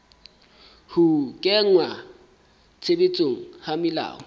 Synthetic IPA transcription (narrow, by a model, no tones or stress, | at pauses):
hʊkʼɛŋwa | t͡sʰebet͡sʼoŋ̩hamɪla̰ːɔ